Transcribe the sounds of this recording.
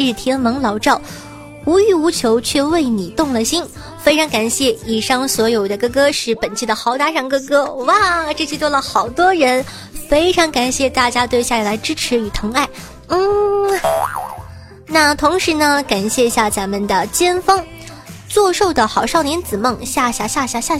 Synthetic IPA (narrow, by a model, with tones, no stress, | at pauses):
ɻ̩˥˩t̪ʰjɛ˥nmɤ˧˥ŋlɑ˧˥ʊʈ͡ʂɑ˥˩ʊ | u˧˥y˧˥˩u˧˥t͡ɕʰjo˧˥ʊt͡ɕʰɥɛ˥˧we˥˩ɪni˨˩t̪ʊ˥˩ŋlə˨˩ɕi˥n | fe˥ɪʈ͡ʂʰɑ˧˥ŋka˨˩nɕjɛ˥˩i˨˩ʂɑ˥˩ŋswɔ˧˥jo˨˩ʊd̪ə˦˧kɤ˥kɤ˥ʂɻ̩˥˩pə˨˩nt͡ɕʰi˥˩d̪ə˩xɑ˧˥ʊt̪a˧˥ʂɑ˥˩ŋkɤ˥kɤ˥wa˥˩ʈ͡ʂt͡ɕʰi˥˧t̪wɔ˥lə˨xɑ˨˩ʊt̪wɔ˥ɻə˧˥n | fe˥ɪʈ͡ʂʰɑ˧˥ŋka˨˩nɕjɛ˥˧t̪a˥˩t͡ɕja˥t̪we˥˧ɪɕja˥˩a˥˩la˧˥ɪʈ͡ʂɻ̩˥ʈ͡ʂʰɻ̩˧˥y˨˩t̪ʰɤ˧˥ŋa˥˩ɪ | n̩˥˩ | na˥˩t̪ʰʊ˧˥ŋʂɻ̩˧˥nə˧ka˨˩nɕjɛ˥˧i˧˥ɕja˥˩t͡sa˧˥mə˨nd̪ə˩t͡ɕjɛ˥nfɑ˥ŋ | t͡swɔ˥˧ʂo˥˩ʊd̪ə˩xɑ˨˩ʊʂʊnjɛ˧˥nt͡sɹ̩˨˩mɤ˥˩ŋɕja˥˧ɕja˥˧ɕja˥˧ɕja˥˧ɕja˥˧